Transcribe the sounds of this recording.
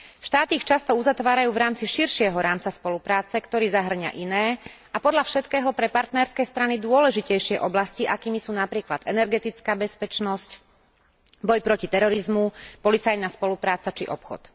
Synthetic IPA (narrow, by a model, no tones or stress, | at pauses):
fʃt̪aːt̪iːxt͡ʃast̪ɔuzat̪ʋaːɾajuːvɾaːmt͡siʃiɾʃɪɛɦɔɾaːmt͡saspɔlupɾaːt͡sɛkt̪ɔɾiːzaɦr̩ɲa̰ʔinɛː | apɔd̪ʎafʃɛt̪kɛːɦɔpɾɛpaɾt̪nɛɾskɛjst̪ɾanid̪ʊɔlɛʒicɛjʃɪɛʔɔblasciʔakiːmisuːnapɾiːklad̪ɛnɛɾɡɛt̪it͡skaːbɛspɛt͡ʃnɔsc | bɔjpɾɔcit̪ɛɾɔɾizmupɔlit͡sajnaspɔlupɾaːt͡sat͡ʃḭʔɔ̰pxɔ̰t̪